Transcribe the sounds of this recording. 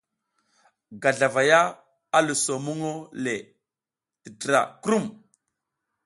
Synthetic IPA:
ɡa˨ɮa˨va˨ja˦ | a˦lu˨so˨mu˦ŋo˦le˨ | ti˨tɾa̰˨kɾu˦˨m

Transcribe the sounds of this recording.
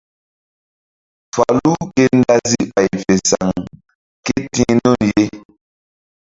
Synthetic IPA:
fa˨lu˦ke˦n̩˦da˦zi˦ɓa˨jfe˨sa˨ŋ | ke˦tĩ˦nɔ˦˨nje˦

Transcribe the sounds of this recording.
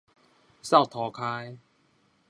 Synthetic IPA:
sa˥˨wt̪ʰɔː˨˩kʰaː˧j

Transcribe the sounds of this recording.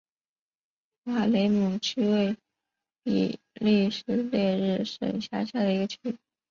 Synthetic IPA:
xa˥˩le˧˥ɪmu˨˩t͡ɕʰy˥we˥˩ɪ | pḭ˨˩ | li˥˩ʂɻ̩˧˥ljɛ˥˧ɻɻ̩˥˩ʂə̰˨˩ŋɕja̰˥˧ɕja˥˩d̪ə˩i˧˥ɡə˧t͡ɕʰy˥˩

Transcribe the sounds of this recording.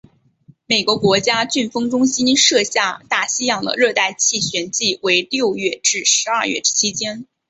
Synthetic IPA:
me˨˩ɪkwɔ˧˥kwɔ˧˥t͡ɕja˥t͡ɕy˥˩nfɤ˥ŋʈ͡ʂʊ˥ŋɕi˥nʂɤ˥˧ɕja˥˧t̪a˥˩ɕi˥jɑ˨˩ŋd̪ə̰˦ɻɤ˥˧t̪a˥˧ɪt͡ɕʰi˥˩ɕɥɛ˧˥nt͡ɕi˥˩we˧˥ɪljo˥˧ʊɥɛ˥˧ʈ͡ʂɻ̩˥˩ʂɻ̩˧˥ɐ˞˥˧ɥɛ̰˥˩˥t͡ɕʰi˥t͡ɕjɛ˥n

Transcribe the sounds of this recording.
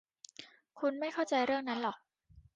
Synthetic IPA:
kʰu˧nma˥˩jkʰa˥˩wt͡ɕa˧jɾɯ˥˩əŋna˦˥nlɔː˨˩k̚

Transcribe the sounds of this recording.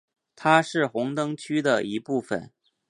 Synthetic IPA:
t̪ʰa˥ʂɻ̩˥˩xʊ˧˥ŋt̪ɤ˥ŋt͡ɕʰy˥d̪ə˨i˧˥pu˥˩fə̰˨˩˦n

